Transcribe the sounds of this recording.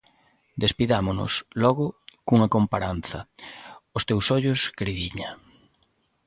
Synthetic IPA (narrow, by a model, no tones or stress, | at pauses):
d̪espiðamʊnʊ̰slɔɣʊkuŋɐkompaɾan̟θɐ | ʊst̪ewsɔʎʊskɾiðiɲa